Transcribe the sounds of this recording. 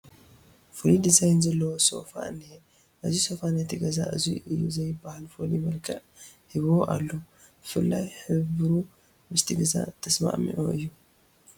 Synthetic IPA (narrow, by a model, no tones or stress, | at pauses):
folid̪izajnzɐlːɐwoso̞̰fa̰ne | ʔɐziso̞fanet̪ʰiɡɐza̰ʔɨ̰zḭʔɨjːṵzɐjbahalfolimɐlkʰɐʔ | hiβoʔa̰lːo | b̥ɨfɨlːajħɨβɾu | mɨst̪ʰiɡɐza̰t̪ʰːɐsma̰ʔmḭʕoʔɨjːu